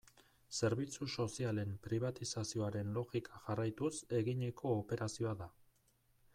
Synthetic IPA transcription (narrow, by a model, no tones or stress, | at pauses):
se̞ɾβit͡suso̞siale̞mpɾiβ̞at̪isasio̞aɾe̞nlo̞ɣikʰaʝarajt̪use̞ɣiɲe̞kʰo̞ːpe̞ɾasio̞aða